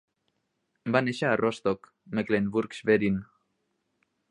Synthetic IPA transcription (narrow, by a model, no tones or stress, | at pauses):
baneʃaːrʔost̪ok | meklenbuɾksβeɾin